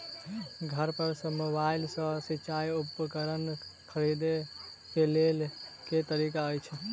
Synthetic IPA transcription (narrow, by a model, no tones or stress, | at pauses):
ɡʱəɾpəɾsəmubaɪlsə̃sit͡ʃajupkəɾənkʰəɾid̪e | kelelket̪əɾikaɔjt͡ʃʰɛ